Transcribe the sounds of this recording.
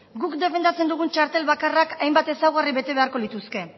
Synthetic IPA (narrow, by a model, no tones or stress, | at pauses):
ɡukd̪e̞fe̞nd̪at͡se̞nd̪uɣ̞unt͡ʃaɾt̪e̞lβakarakajmbat̪e̞sawɣariβe̞t̪e̞βe̞aɾko̞lit̪uske̞